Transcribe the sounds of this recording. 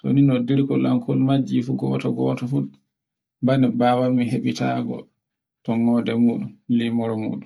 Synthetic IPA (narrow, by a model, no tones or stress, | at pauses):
to̰ninɔdiɾkɔlaŋkʰɔlmad͡ʒifuɡɔːtɔɡɔːtɔfu | banɛbaːwalmiɦeɓitaːɡɔ̰ | tɔŋːɔdɛmuːɗumlimɔɾɔmṵːɗum